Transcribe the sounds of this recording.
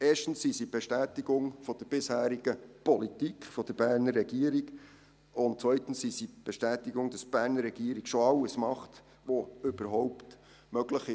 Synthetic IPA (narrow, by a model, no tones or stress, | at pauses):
eːʃtən̩sːisib̥eʃtæːtiɡʊŋfɔd̥əɾb̥ɪshæːɾiɡəpɔlitikχfɔd̥̪əɾb̥æːɾnərːɛɡ̥iəɾiɡ | ʊnt̚t͡svœʏtn̩ssisib̥eʃtæːtiɡʊŋd̥ɑsb̥æːɾnəɾːɛɡ̥iəɾiɡ̥ʃoɑwəsmɑχt | ʋoʏb̥əɾɦɔwpt | møɡləχɪ